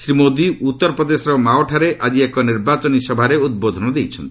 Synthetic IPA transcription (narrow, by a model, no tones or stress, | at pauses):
sɾimod̪iut̪ːɔɾɔpɾɔd̪esɔɾɔmaoʈʰaɾeʔad͡ʒiekɔniɾbat͡ʃɔnisɔbʱaɾeud̪̚bod̪ʱɔnɔd̪ejt͡ʃʰɔnt̪ii̥